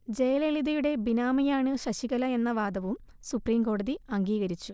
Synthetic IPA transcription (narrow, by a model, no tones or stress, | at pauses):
d͡ʑe̞jleliðɐjuɽe̞binaːmɐjaːɳɨɕɐɕiɣɐlɐe̞nːɐʋaːd̪ɐʋum | supriːmɡo̞ːɽɐðiɐŋɡiːɣɐɾit͡ɕːu